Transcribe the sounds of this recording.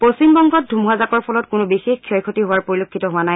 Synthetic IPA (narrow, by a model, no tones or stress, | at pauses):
posimbɔŋɡɔt̚dʱumɦazakɔɹpʰɔlɔtkʊnʊbixexkʰːiɔjkʰotiɦʊwaɹpoɹilokʰːitɔɦʊanaj